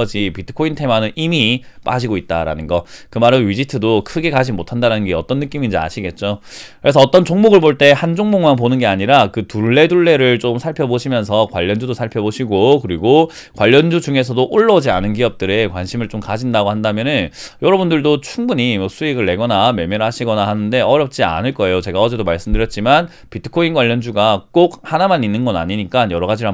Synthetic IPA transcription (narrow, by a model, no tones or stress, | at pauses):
ʌd͡ʑipitʰɯ̥kʰointʰemanɯnimip͈a̰d͡ʑiɡoit̚t͈a̰ɾa̰nɯnɡʌkɯmaɾɯnɥid͡ʑitʰɯdokʰɯɡe̞kad͡ʑimotʰandaɾanɯnɡeʌt͈ʌnːɯk͈imid͡ʑia̰ɕʰiɡe̞t̚t͡ɕ͈okɯɾe̞s̬ʰʌːt͈ʌnt͡ɕoŋmoɡɯɭboɭt͈e̞hand͡ʑoŋmoŋmanp̬onɯnɡe̞aɲiɾakɯtuɭːe̞duɭːe̞ɾɯɭt͡ɕomsʰaɭpʰjʌboɕʰimjʌns̬ʰʌkwaʎːʌnd͡ʑudosʰaɭpʰjʌboɕʰiɡokɯɾiɡo | kwaʎːʌnd͡ʑud͡ʑuŋe̞s̬ʰʌdoʔoɭːʌd͡ʑianɯnkiʌp̚t͈ɯɾe̞kwanɕʰimɯɭt͡ɕ͈omkad͡ʑindaɡohandamjʌnɯnjʌɾʌbundɯɭdot͡ɕʰuŋbuɲimʌsʰuiɡɯɭːe̞ɡʌnamemjeɾɦaɕʰiɡʌnahanɯnde̞ʌɾjʌp̚t͡ɕ͈ia̰nɯɭk͈ʌe̞jot͡ɕe̞ɡaʌd͡ʑe̞domaɭs͈ɯmdɯɾjʌt̚t͡ɕ͈iman | pitʰɯ̥kʰoinɡwaʎːʌnd͡ʑuɡak͈okhanamaninːɯnɡʌna̰ɲiɲik͈anjʌɾʌɡad͡ʑiɾa